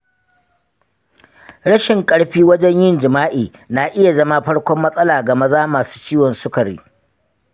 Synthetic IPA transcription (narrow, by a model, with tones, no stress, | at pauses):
ɽɐ˦ʃɪ˨ŋkʼɐ˦ɽɸiː˦wɐ˦d͡ʒɛ˦ɲjɪ˦nd͡ʒɪ˨maː˦ʔeː˨ | naː˨ʔɪ˦ja˨zɐ˦ma˦ɸɐ˦ɽkʷɔ˦mːɐ˦sʼɐ˦laː˨ɡɐ˨ma˦zaː˦maː˨su̥ː˦t͡ʃiː˦wɔ˨nsʊ˦kɐ˨ɾḭ˦